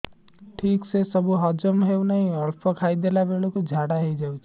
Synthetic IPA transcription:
ʈʰiːksesəbuɦəd͡ʒəmɦeunəɦĩəɾpʰəkʰaid̪elabelokod͡ʒʱaɽaɦeid͡ʒawt͡ʃʰ

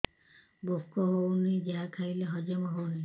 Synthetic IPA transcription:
bofkɔɦownid͡ʒeɦakʰaileɦɔd͡ʒemɔɦowni

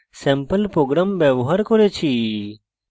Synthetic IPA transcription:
sɛ̃mpəlpɾoɡɾamʋjeʋɦaɾkɔɾet͡ʃʰi

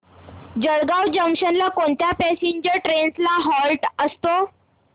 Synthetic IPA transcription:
d͡ʑəɽɡawd͡ʑəmɕənlakoɳt̪japɛsiɲd͡ʑəɾʈɾenslaɦɔlʈəst̪o

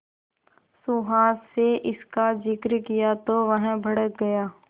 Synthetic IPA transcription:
suɦaːseʔɪskad͡ʒɪkɾkijat̪oʋəɦə̃bʱɐɽək̚ɡɐjaː

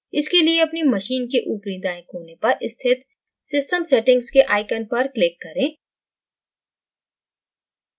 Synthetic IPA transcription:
ɪskelieɐpnimɐʃiːnkeʔupɾid̪aːɪ̃kɦoːnepɐɾɪst̪ʰɪt̪ | sɪsʈəmseːʈɪ̃ŋɡzkeʔaːɪkənpɐɾklɪkːɐɾẽː

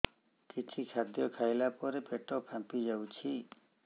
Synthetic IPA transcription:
kit͡ʃʰikʰad̪jɔkʰajlapɔɾepeʈɔpʰãmpid͡ʒawt͡ʃʰi

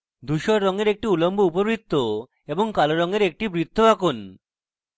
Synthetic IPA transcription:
d̪uʃɔɾːɔŋeɾek̚ʈiulomboupobɾit̪ʰːo | eboŋkaloɾɔŋeɾek̚ʈibɾit̪ːoakun

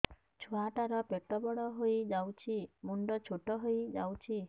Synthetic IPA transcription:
t͡ʃʰuaʈaɾɔpeʈɔbɔɽɔɦojd͡ʒawt͡ʃʰimuɳɖɔt͡ʃʰoʈɔɦojd͡ʒa̰wt͡ʃʰi

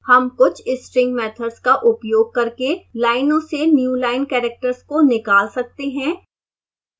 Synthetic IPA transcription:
hɐmkʊt͡ʃʰɪsʈɾɪ̃ŋɡmɛːt̪ʰəɖskaʔʊpjoːɡ̚kɐɾkelaːɪnõsenjuːlaːɪnkɛːɾɛːk̚ʈəɾskonɪkaːlsɐk̚t̪eɦɛ̃ː

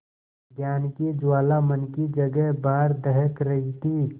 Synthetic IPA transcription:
ɡjaːnkid͡ʒwaːlamənkid͡ʒɐɡɛɦbaːɾd̪əɦəkɾɐɦit̪ʰi

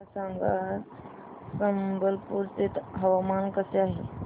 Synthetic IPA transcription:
saŋɡa | səmbəlpuːɾt̪et̪ɦəʋamankəseaɦe

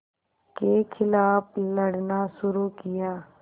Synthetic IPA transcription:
keːkʰɪlaːpləɽnaːsʊɾuːkɪjaː

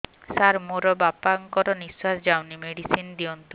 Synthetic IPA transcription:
saɾmoɾɔbapaŋkɔɾɔniswasd͡ʒawnimeɽisind̪iɔnt̪u

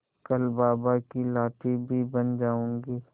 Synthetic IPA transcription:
kɐlbaːbakilaːʈibʱibɐnd͡ʒaːõːŋɡiː

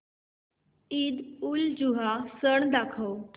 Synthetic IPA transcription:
id̪uld͡ʑuɦasəɳd̪akʰəw

